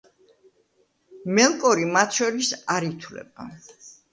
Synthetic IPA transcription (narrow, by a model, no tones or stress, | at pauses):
mɛlˠkʼɔɾimat̪ʰʃɔɾisaɾit̪ʰwlɛ̰ba̰